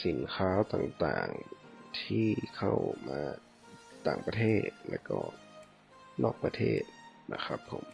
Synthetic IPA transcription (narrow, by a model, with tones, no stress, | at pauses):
si˨˩˦nkʰaː˦˥wt̪aː˨˩ŋt̪a̰ː˨˩ŋt̪ʰiː˧˥˩kʰa˥˩wmaː˧˦˥ | t̪a̰ː˨˩ŋpa˧t̪ʰeː˥˩t̪̚lɛ̰ː˧˥˩wkɔː˧˩ | nɔː˧˩k̚pa˧t̪ʰeː˧˩t̪̚na̰˧˩kʰa˦˥pʰːo̰˨˩˦m